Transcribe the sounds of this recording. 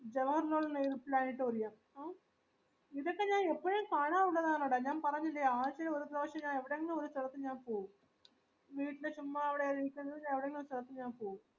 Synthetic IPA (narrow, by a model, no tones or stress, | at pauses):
d͡ʑeʋɐɦɐɾnoːɭːneːɾuplaːniʈːɨʋɐɾijaːm | aː | iðokːeɲaːnepːɐɻeːnkaːɳaːuɳɖɐðaːnoːɽaɲaːnpɐɾɐɲːilːɐjaaːt͡ɕɐleoɾupɾɐʋɐʂjɐmɲaːneʋiɽɐŋɡɐneoɾusuɽɐt̪ːɨɲaːnpoːwu | ʋiːʈːilɨt͡ɕumːaːeʋiɽeːɾijkʲːɐnːɐðɨɲãːneʋiɽɐŋɡeneoɾusuɽɐt̪ːuɲaːmpoːwu